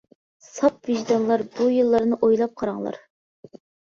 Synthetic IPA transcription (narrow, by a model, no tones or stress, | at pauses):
sɑp̚viʒd̪ɑnlˠɑɾbujɨlˠːɑɾnɨʔojlˠɑp̚qʰɑɾɑŋlˠɑ̰ɾ